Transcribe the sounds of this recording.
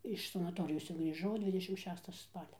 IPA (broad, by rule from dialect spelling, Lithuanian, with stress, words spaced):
ɪʃ sɐnɐˈtoːrʲɪjoːs t͡sʲɛ ɡrʲiːˈʒɐʊ ˈdʲʋʲɪdʲɛʃʲɪm ˈʃʲæːstɐ ˈspɑːlʲɛ